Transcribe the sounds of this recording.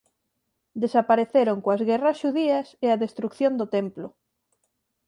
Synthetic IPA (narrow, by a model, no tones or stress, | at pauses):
d̪esapaɾeθeɾoŋkoɐzɣɛrɐsʃuðiɐseɐðest̪ɾukθjõnd̪ʊt̪emplʊ